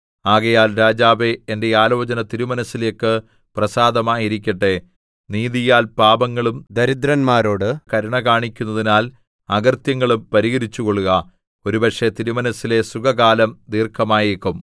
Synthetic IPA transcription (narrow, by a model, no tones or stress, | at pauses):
aːɣɐjaːlɾaːd͡ʑaːʋeːnde̞aːlo̞ːt͡ɕɐnɐt̪iɾumɐnɐsːilekːɨ | prɐsaːd̪ɐmaːjiɾikʲːɐʈːe̞ | niːðijaːlpaːbɐŋːɐɭumd̪ɐɾid̪ɾɐnmaːɾo̞ːɽɨkɐɾuɳɐkaːɳikʲːunːɐðinaːl | ɐɡɐrt̪jɐŋːɐɭumpɐɾiɣɐɾit͡ɕːuko̞ɭːuɣɐ | o̞ɾubɐʈʂe̞t̪iɾumɐnɐsːile̞suɡɐɣaːlɐmd̪iːrkʰɐmaːjikːum